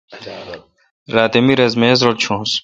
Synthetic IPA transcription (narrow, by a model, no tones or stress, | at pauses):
ɾaːt̪emiɾɐzmeːzɾolt͡ɕʰõːs